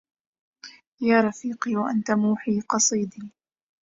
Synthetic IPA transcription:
jaːɾˤɑfiːqiːwaʔant̪amuːħiːqɑsˤiːd̪iː

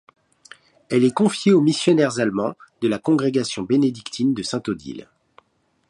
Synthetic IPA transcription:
ɛlɛkɔ̃fjeomisjɔnɛʁzalmɑ̃d̪̥əlakɔ̃ɡʁeɡasjɔ̃bened̪ikt̪ʰind̪əsɛ̃t̪od̪ḭl

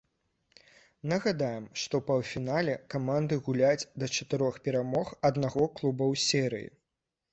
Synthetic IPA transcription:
nɐɣad̪ajɛmʂt̪ɔpɐwfʲinalʲɛkamand̪ɨɣulʲat͡sʲd̪ɐt͡ʂɐt̪ɨɾɔxpʲɛɾamɔxɐd̪naɣɔklˠubɐwsʲɛɾɨ̰jḭ

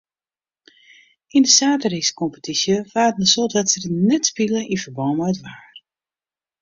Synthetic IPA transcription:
indəsaːtəriskɔmpə̥tʰisjəfaːtnəsotatsədənɛtspiləʔifərbɔmajtʋaːr

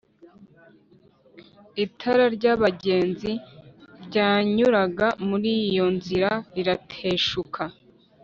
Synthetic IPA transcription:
itʰaɾaɾɟaβaɟe̞ːnziɾɟaːɲuɾaɡamuɾijo̞nziɾaiɾatʰeːʃukʰa

